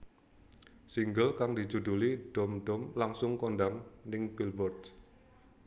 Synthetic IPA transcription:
siŋɡəlkaŋd̪i̤d͡ʒud̪uliɖ̥ɔ̤mɖɔmlaŋsʊŋkonɖaŋnɪŋpilbɔrt̪

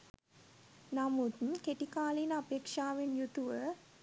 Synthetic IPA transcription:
namut̪nkeʈikaːlinəapeːkʂaːʋenjut̪uʋə

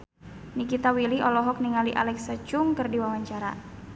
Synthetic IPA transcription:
nikit̪awiliʔɔlɔɦɔk̚niŋaliʔa̰lɛksat͡ʃʊŋkɨrdiwawaɲt͡ʃaɾa̰

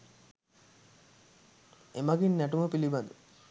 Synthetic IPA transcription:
emɐɡinnɐʈumɐpilibɐd̪u

